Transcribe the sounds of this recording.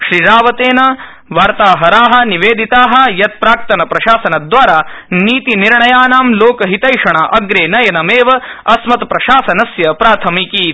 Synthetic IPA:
ʃɾiɾaːʋɐt̪eːnɐ | ʋaːɾt̪aːɦɐɾaːɦɐ̆niʋeːd̪ʱit̪aːɦɐ̆jɐt̪̚pɾaːk̚t̪ɐnɐpɾɐʃaːsɐnɐd̪ʋaːɾaːniːt̪iniɾɳɐjaːnaːmloːkɐɦit̪ɐjʂɐɳɐʔɐɡɾeːnɐjɐnɐmeːʋɐɐsmɐt̪pɾɐʃaːsɐnɐsjɐpɾaːt̪ʰɐmiki

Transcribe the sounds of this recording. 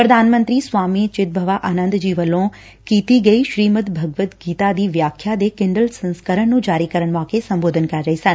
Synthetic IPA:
pɾɐd̪ʱaːnmə̃nt̪ɾiːswaːmit͡ʃɪt̪̚bʱɐʋaʔaːnə̃nd̪d͡ʒiːʋəlõ | kiːt̪iɡɐiːʃɾiːmət̪bʱɐɡʋət̪ɡiːt̪ad̪iːʋjaːkʰːjad̪ekɪ̃ɳɖəlsɐ̃nskəɾəɽ̃nũːd͡ʒaːɾikɐɾəɽ̃maːkesɐ̃mboːd̪ʱənkɐɾːɐisɐ̃n

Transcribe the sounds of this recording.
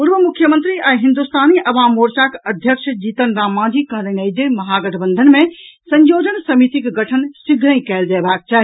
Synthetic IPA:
puɾʋəmukʰjəmənt̪ɾiaiɦind̪ust̪aːniʔɐʋaːmoɾsakəd̪ʱjəkʃʰd͡ʒit̪ənɾamːãd͡ʒʱikəɦlənəid͡ʒemɐɦaɡəʈʰəbənd̪ʱənmẽsə̃ɲjod͡ʒənsəmit̪ikɡəʈʰənsiɡʱɾə̃ĩkɛeld͡ʒaːbak̚t͡ʃaːɦ

